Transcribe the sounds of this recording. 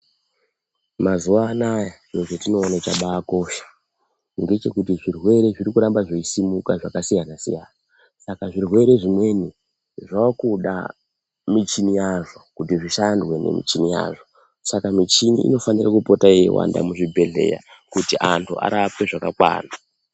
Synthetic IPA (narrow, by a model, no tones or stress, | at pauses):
mazuwaːnaja | jeʐetino̞ːnat͡ʃaɓaːko̞ːʃḁ | ŋɡe̞t͡ʃe̞kutiʐirwe̞ɾe̞ʐiɾikuɾambaʐoisimukaʐakasijanasḭjaːna | sakaʐirwe̞ɾe̞ʐimwe̞ni | ʐakuɗa̰ | mit͡ʃinijaʐo̞kutiʐiʃandwe̞ne̞̰mḭt͡ʃinija̰ʐo̞ | sakamit͡ʃiniḭno̞fanirakupotaijḛwa̰nda̰muʐibʱe̞ɮe̞̰ja̰ | kutiʔantʰuʔa̰ɾapwe̞ʐakakwa̰ːna